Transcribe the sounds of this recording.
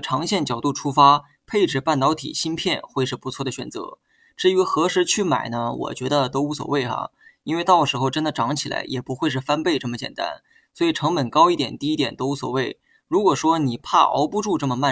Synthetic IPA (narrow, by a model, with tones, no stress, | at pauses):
ʈ͡ʂʰɑ˧˥ŋɕjɛ˥˩nt͡ɕjɑ˨˩ʊt̪u˥˩ʈ͡ʂʰu˥fa˥ | pʰe˥˧ɪʈ͡ʂɻ̩˥˩pa˥˩nt̪ɑ˧˥ʊt̪ʰḭ˨˩ɕi˥npʰjɛ˥˧nxwe˥˧ɪʂɻ̩˥˩pu˧˥t͡sʰwɔ˥˩d̪ə˩ɕɥɛ̰˨˩nt͡sɤ̰˧˥ | ʈ͡ʂɻ̩˥˧y˧˥xɤ˧˥ʂɻ̩˧˥t͡ɕʰy˥˩ma̰˨˩ɪnə˦wɔ̰˨˩t͡ɕɥɛ˧˥d̪ə˧t̪o˥ʊu˧˥swɔ̰˨˩we˥˩ɪxa̰˩ | i˥nwe˥˧ɪt̪ɑ˥˩ʊʂɻ̩˧˥xo˥˧ʊʈ͡ʂə˥nd̪ə˨ʈ͡ʂɑ˧˥ŋt͡ɕʰi˨˩la̰˧˥ɪjʔɛ˨˩pu˧˥xwe˥˧ɪʂ̬ɻ̩˥˩fa˥npe˥˧ɪʈ͡ʂɤ˥˩mə˩t͡ɕjɛ̰˨˩nt̪a̰˥n | swɔ˧˥i˨˩ʈ͡ʂʰɤ˧˥ŋpə˨˩nkɑ˥ʊi˥˩t̪jɛ̰˨˩nt̪i˥˧i˧˥t̪jɛ̰˨˩nt̪o˥ʊu˧˥swɔ̰˨˩we˥˩ɪ | ɻu˧˥kwɔ˨˩ʂwɔ˥ni˨˩pʰa̰˥˩ʔɑ̰˧˥ʊpu˥˧ʈ͡ʂu˥˧ʈ͡ʂɤ˥˩mə˩ma˥˩